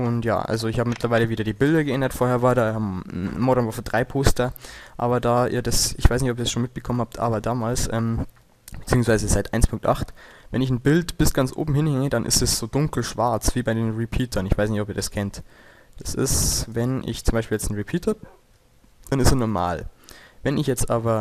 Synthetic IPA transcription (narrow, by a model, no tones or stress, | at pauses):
ʔʊntja̰ːʔa̰lzoɪçhaːbəmɪtlɐvaɪləviːdɐdiːbɪldɐɡəʔɛndɐtfoːɐheːɐvaːɐdaːhaːbmmɔɾnvɔɐfdʁaɪpʰoːstɐʔa̰ːbɐdaːʔḭːɐdasɪçv̥aɪsnɪçtɔpiɐsʃoːnmɪt̚b̥əkʰɔmənhaːp̚tʔa̰ːbɐdaːmaːlsʔɛ̰ːm | b̥ət͡siːʊŋsv̥aɪzəzaɪtʔaɪnspʰʊŋk̚tʔa̰χt | vɛnɪç̬n̩bɪltb̥ɪsɡ̥ant͡sʔo̰ːbm̩hɪnhɛŋədanʔɪ̰stɛsz̥oːdʊŋkl̩ʃv̥aɐt͡sv̥iːbaɪdeːnʁipʰiːtʰɐnɪçv̥aɪsnɪçtɔpiːɐd̥askʰɛntd̥ḁsɪ̰svɛnʔɪ̰çt͡sʊmbaɪʃpiːljɛt͡stn̩ʁipʰiːthab | d̥anɪstɛnɔɐma̰ːlvɛnɪçjɛt͡stʔaːbɐ